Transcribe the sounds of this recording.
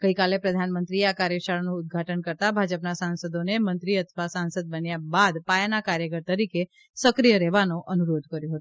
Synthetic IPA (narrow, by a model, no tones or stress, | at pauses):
ɡ̥əikalepɾəd̪ʱanmənt̪ɾieakaɾjəʃaɭnũːd̪̚ɡʱaʈənkəɾt̪abʱad͡ʒəpnasansəd̪onemənt̪ɾiət̪ʰʋasansəd̪̚bənjabad̪pajanakaɾjəkəɾt̪əɾike | səkɾijəɾɛʋanoʔʔənuɾod̪ʱkəɾjõɦət̪u